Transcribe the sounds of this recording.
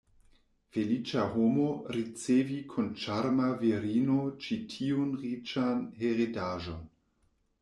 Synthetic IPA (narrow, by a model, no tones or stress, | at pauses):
felit͡ʃaɦomoɾit͡sevikʰont͡ʃaɾmaviɾinot͡ʃitʰiunʁit͡ʃanheʁidaʒon